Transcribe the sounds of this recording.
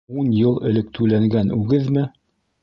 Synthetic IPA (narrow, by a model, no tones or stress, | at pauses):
unjɤlˠɘ̆lɘk̚t̪ʰʉlæŋɡænʉɡɘðmɘ